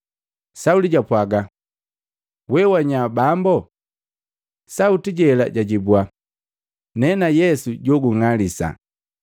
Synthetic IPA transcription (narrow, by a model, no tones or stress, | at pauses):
sauliɟapwaɡa | wɛwaɲabambɔ | sautiɟɛla̰ɟaɟibua | nɛnajɛsuɟɔɡuŋalisa̰